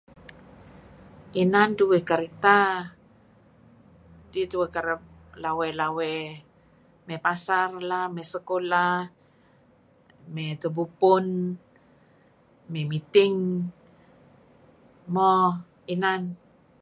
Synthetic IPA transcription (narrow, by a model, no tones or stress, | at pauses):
ʔinanduwɛkaɾit̪a | dit̪uwɛkaɾəp̚ | lawɛlawɛ | mɛpasarlamɛsəkola | mɛt̪əbupʊn | mɛmit̪iŋ | mo | inan